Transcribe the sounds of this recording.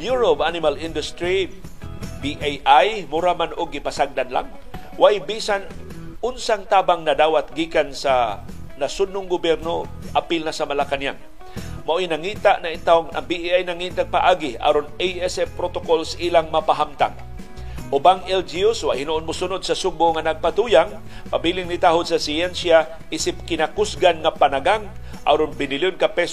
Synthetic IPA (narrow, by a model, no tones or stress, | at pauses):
bjuɹopʔanɪmalɪnd̪ʊst̪ɾi | biʔajʔajmʊɾamanʔʊɡːɪpasaɡ̚d̪anla̰ŋ | waʔɪbiːsanʔʊnsaŋt̪aːbaŋnad̪aːwat̪̚ɡiːkansanasʊnːʊŋɡʊbjɛɾno | ʔapɪlnasamalakanjaŋ | maʔojnaŋit̪aʔnaɪnt̪aŋa̰ŋbiʔʔajnaŋint̪apaʔaːɡɪa̰ɾoneɛsɛpɾot̪okolsaʔiːlaŋmapaɦamt̪a̰ŋ | ʔʊbaŋɛld͡ʒiuswaʔhɪnʊʔonmʊsʊnod̪̚sasʊbʊŋanaɡ̚pat̪ujaŋ | pabilɪŋnɪt̪aɦʊd̪̚sasiɛnsja | ʔisɪp̚kɪnakʊsɡanŋapanaɡaŋ | ʔa̰ɾonbɪnɪljonkapɛs